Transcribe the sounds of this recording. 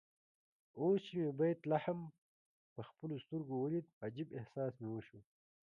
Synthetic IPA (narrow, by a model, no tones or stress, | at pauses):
oːst͡ɕimebɐjit̪lɐħɐm | pɐxpəlust̪uɾɡowɐlit̪̚ad͡ʑibehsaːsmeoʃu